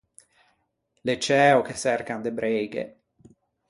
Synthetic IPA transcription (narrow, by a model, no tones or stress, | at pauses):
let͡ʃɛːokesːɛrkand̪ebɾejɡḛ